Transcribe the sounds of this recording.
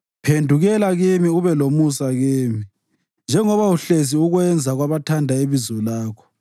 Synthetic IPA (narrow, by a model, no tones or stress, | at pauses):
pʰendʱuɣɛlaɣimiuβɛlomusaɣiːmi | nd͡ʒʱɛŋɔβauɬes̬iuɣwɛnd͡zʱaɣwaβatʰandʱaeβizulaːkʰɔ̥